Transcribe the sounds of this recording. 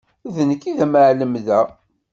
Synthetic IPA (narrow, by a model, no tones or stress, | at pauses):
ðənəkːiðæməʕləmðæ